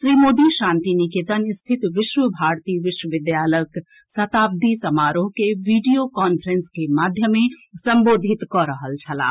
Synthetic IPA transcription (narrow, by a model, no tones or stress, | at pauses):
ʃɾimoːd̪iʃãnt̪inikit̪ənst̪ʰit̪ʋɪʃwəbʱaɾt̪iʋɪʃwəʋɪd̪jalək | sɐt̪ab̚d̪isəmaːɾoɦkeʋiɖijokɔnpʰəɾenskemad̪ʱjəmẽsəmboːd̪ʱit̪kɔɾəɦəlt͡ʃʰəla̰ː